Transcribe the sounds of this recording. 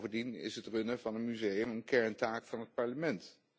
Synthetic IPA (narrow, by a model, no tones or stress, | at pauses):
vəndinɪ̰sɦətrønəvɑnənmyzejəmənkɛɹntaːkfɑnɦət̚pɑɹləmɛnt